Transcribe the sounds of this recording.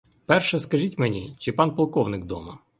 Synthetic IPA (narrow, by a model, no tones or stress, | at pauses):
pɛrʃɛskɐʒʲitʲmenʲit͡ʃɪpɑnpɐlˠkɔwnɪk̚d̪ɔ̰mɐ